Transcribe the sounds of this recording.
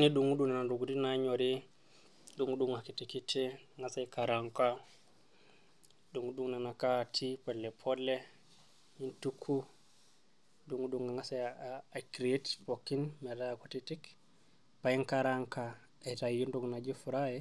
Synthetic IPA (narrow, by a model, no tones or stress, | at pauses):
niduŋɡudunananduɡudinaɲoɾi | duŋuduŋakitikitiŋɡasajikaɾaŋka | duŋɡuduŋnanakatʰipɔlːɛpʰɔlːɛ | intukʰːu | duŋɡuduŋɡaŋɡasajkɾetpokːinmɛdakutitik | pajiŋkaɾaŋka | ɛtajunduɡnad͡ʒifuɾajɛ